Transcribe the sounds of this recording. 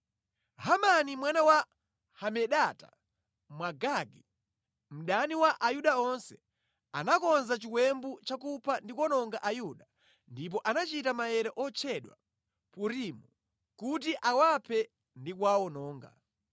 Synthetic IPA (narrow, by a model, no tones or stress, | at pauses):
ɦamanimwanawa | hamɛɗata̰ | mwaɡaɡi | m̩ɗaniwaʔajuɗaɔnsɛ̥ | a̰nakɔnzat͡ʃikwɛmbut͡ʃakupʰandikwɔnɔŋɡaʔajuɗa | ndip̬ɔʔanat͡ʃitamajɛɾɛʔɔt͡ʃʰɛɗwa̰ | puɾimu | kut̬iʔawapʰɛ | ndikwawɔnɔːŋɡa̰